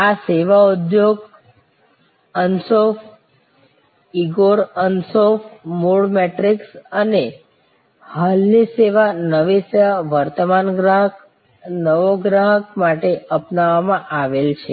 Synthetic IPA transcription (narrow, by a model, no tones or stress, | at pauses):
aseʋaud̪joɡ | ənsof | iɡoɾənsofmoɽmeʈɾiksəne | halniseʋanəʋiseʋaʋəɾt̪əmanɡɾaɦək | nəʋoɡɾaɦək̚maʈeəpnaʋːamãʔaʋelt͡ʃʰe